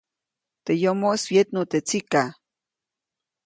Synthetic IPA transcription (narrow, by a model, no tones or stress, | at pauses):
t̪ejomoswjet̪not̪et͡sika